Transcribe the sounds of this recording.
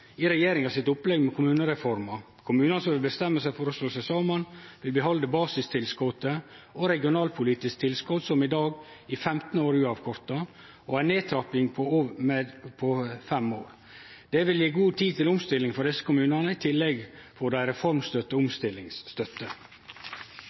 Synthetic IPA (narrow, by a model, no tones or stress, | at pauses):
ɪɾɛjeːɾɪŋhɑsɪt̪ʊplɛɡmɛkʰʊmʉːnəɾɛfɔɾmɑ | kʰʊmʉːnɑnəs̬ɔmʋɪlbəst̪ɛmːəsæɪfɔɾɔsloːsɛsɑmɑnʋɪlbəɦɔld̪əbɑːsɪst̪ʰɪlskɔt̪əɔɾɛɡɪʊnɑːlpʰʊliːt̪ɪsk̚t̪ʰɪlskɔt̪sɔmɪd̪ɑːɡ | ɪfɛmt̪n̩oːɾʉːɑʋkʰɔɾt̪ɑ | ɔæɪneːt̪ʰɾɑpɪŋpʰɔ | pʰɔfɛmoːɾ | d̪̥ɛʋɪljiːɡuːt̪ʰiːt̪ɪlʊmst̪ɪlːɪŋfɔɖ̪ɪsə̥kʰʊmʉːnɑnəɪt̪ʰɪlːɛɡfɔɖ̪æɪɾɛfɔɾmst̪œt̪ːəʊmst̪ɪlːɪŋsːt̪œt̪ːə